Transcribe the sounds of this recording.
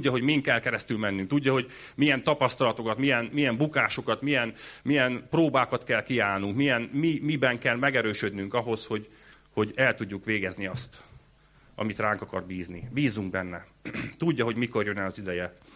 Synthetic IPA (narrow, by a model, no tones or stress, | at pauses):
udːɒɦo̞ɟmiŋk̪kɛlkɛɾɛst̪ylmɛnːyŋkt̪uɟːɒɦo̞ɟ | mijɛnt̪ɒpɒst̪ɒlɒt̪o̞kɒt̪mijɛnmijɛmbukaːʃo̞kɒt̪mijɛnmijɛnproːbaːkɒt̪kɛlkiaːlnuŋkmijɛnmimibɛŋkɛlmɛɡɛɾøːʃød̪nyŋkɒɦo̞sho̞ɟ | ho̞ɟɛlt̪uɟːukʋeːɡɛzniɒst̪ | ɒ̰mit̪raːŋkɒkɒrbiːznibiːzuŋɡbɛnːɛ | t̪uɟːɒɦo̞ɟmiko̞rjønɛɒzid̪ɛjɛ